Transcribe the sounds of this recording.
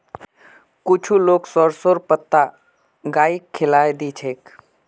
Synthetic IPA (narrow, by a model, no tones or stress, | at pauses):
kʊt͡ʃʰuloːksɔɾsoɾpət̪ːa | ɡaːikʰːɪlaːed̪iːt͡ʃʰeːk